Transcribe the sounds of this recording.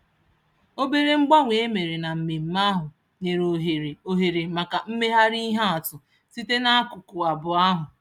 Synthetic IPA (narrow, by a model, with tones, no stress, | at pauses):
o˦be˦ɾe˦ŋ͡m̩˦ɡ͡ba˦ŋʷe˨e˦me˨ɾe˨na˨m̩˨me˨m̩˦ma˦ɦʊ˨ | ne˨ɾo˨ɦo˨ɦe˨ɾe˨ma˨ka˨m̩˦me˦ɦa˦ɾi˦ɦa˦a˨tʊ˨ | ti˦te˦na˦a˦kʊ˨kʊ˨a˨bʊ˨a˦ɦʊ˨